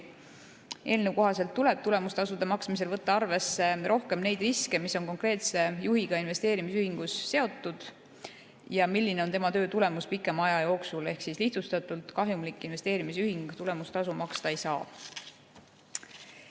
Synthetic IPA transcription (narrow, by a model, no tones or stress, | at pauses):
e̞ːlnewko̞ɦɑse̞lt̪ːule̞b̥̚t̪ule̞must̪ɑsud̪emɑksmis̬e̞lvɤt̪ːɑɑrve̞sːe̞ɾʔo̞hke̞mne̞jd̪riske̞misːo̞nko̞ŋkre̞ːt̪se̞juɦiɡ̥ɑinve̞st̪eːɾimisyhiŋɡ̥usːe̞o̞t̪ːˑud̪̥ | jɑmilʲːine̞ont̪e̞mɑt̪ø̞ːt̪ule̞muspikːˑemɑjɑjo̞ːksule̞hksisliht̪sust̪ɑt̪ˑult̪ˑkɑɦjumlikˑːinve̞st̪eːɾimis̬yhiŋɡ̥t̪ule̞must̪ɑsumɑkst̪ɑejsɑː